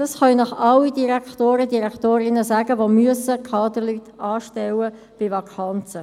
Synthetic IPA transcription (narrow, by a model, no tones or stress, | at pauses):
d̥ɑsχɑinɑχɑlidiɾækt̪oːɾədiɾɛkt̪oːɾɪnəsæɡəʋomyəsəkʰɑːd̪ərlyt̪ɑːʃtɛwə | b̥ɪvɑkʰɑnt͡sə